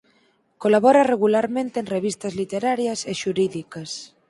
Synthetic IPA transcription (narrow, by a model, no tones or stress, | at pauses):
kolaβɔɾareɣulaɾmẽnt̪eːnreβ̞ist̪ɐzlit̪eɾaɾjaseʃuɾiðikas